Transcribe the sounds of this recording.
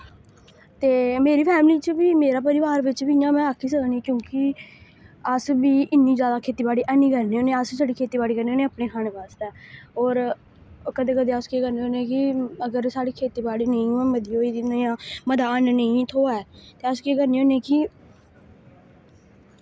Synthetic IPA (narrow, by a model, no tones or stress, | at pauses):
t̪eːmeːɾiːpʰɛːmliːt͡ʃbiːmeːɾaːpəɾɪʋaːɾʋɪt͡ʃbiɪjãːmɛ̃ːaːkʰːiːsəknĩːkjõːkɪ | əsbiːʔɪnːiːd͡ʒjaːd̪aːkʰeːt̪iːbaːɽiːʔɛnĩːkəɾneːoːneəssaːɽiːkʰeːt̪iːbaːɽiːkəɾneːoːnẽːəːpneːkʰaːɽ̃eːbaːst̪ɛːɔːɾ | kəd̪eːkəd̪eːəskeːkəɾneːoːneẽːkɪəɡəɾsaːɽiːkʰeːt̪iːbaːɽiːnəĩːɛ̃məd̪ioːid̪injãːməd̪aːənnə̃ĩːt̪ʰoːaɛːt̪eːəskeːkəɾneːoːnẽːkɪ